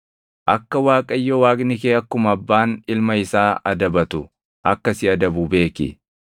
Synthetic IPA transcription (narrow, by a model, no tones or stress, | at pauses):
ʔɐkːɐwaːkʼɐjːɔwaːkʼnɪkeːɐkːʊmɐbːaːnɪlmɐɪsaːʔɐd̪ɐbɐt̪ʊ | ʔɐkːɐsɪɐd̪ɐbʊbe̞ːkɪ̰